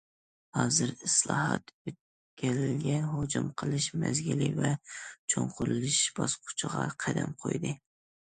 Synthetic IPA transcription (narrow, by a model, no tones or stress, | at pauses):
hɑːzɨɾɨslˠɑːɦɑt̪øt̪̚ | kʲʰælɪlɡʲɛnɦod͡ʒumqʰəlˠɨʃmɛzɡʲilivɛt͡ʃʰoɴqʰʊɾɨlˠɨʃb̥ɑsqʰʊ̥t͡ʃʰɨʁɑqʰæd̪ɛmqʰo̰jd̪ɨ